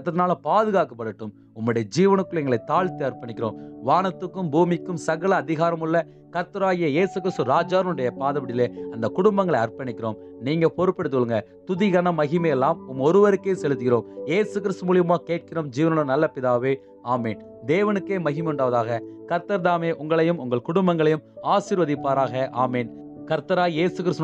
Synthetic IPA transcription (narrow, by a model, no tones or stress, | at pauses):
t̪ːɐðɪnaːlɐpaːðɯɣaːkːɐpːɐɽɯʈːɯm | ʊmːɯɽɐjɐd͡ʒiːʋɐnɯkːɯlɛŋɡɐɭɐɪt̪ːaːɭt̪ːɯɐrpɐɳɪkːɪɾo̰ːmʋaːnɐt̪ːɯkːɯmbuːmɪkːɯmsɐɣɐɭɐːðɪɣaːɾɐmɯɭːɐ | kɐɾt̪ɐɾaːɣɪjɐjeːsɯkɪɾɪst̪ɯɾaːd͡ʒaːɾɐnɯɽɐjɐpaːðɐbɐɽɪleːɐnd̪ɐkʊɽʊmbɐŋɡɐɭɐɐrpɐnɪkːɪɾo̰ːm | niːŋɡɐpɔɾɯpːɛɽɯt̪̬ːɯkɔɭɯŋɡɐ | t̪ʊðɪɣɐnɐmɐɣɪmɐjɛlːaːmʊmɔɾɯʋɐɾɯkːeːsɛlɯt̪ːɯɣɪɾoːmjeːsɯkɪɾɪst̪ɯmuːɭɪjɐmaːkeːʈ̚kɪɾoːmd͡ʒiːʋɐnɯɽɐnɐlːɐpɪðaːʋeː | aːmeːn | d̪eːʋɐnɯkːeːmɐɣɪmʊɳɖaːʋɐðaːɣɐkɐɾt̪ɐɾðaːmeːʔʊŋɡɐɭɐjɯmʊŋɡɐɭkʊɽʊmbɐŋɡɐɭɐjɯmaːsɪːɾʋɐðɪpːaːɾaːɣɐʔaːmeːn | kɐɾt̪ɐɾaːjjeːsɯkɪɾɯst̪